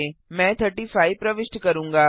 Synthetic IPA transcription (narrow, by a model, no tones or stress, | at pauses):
emɛ̃ːt̪ʰəɾʈiːfʰaːipɾɐʋɪʃʈkɐɾũːŋɡaː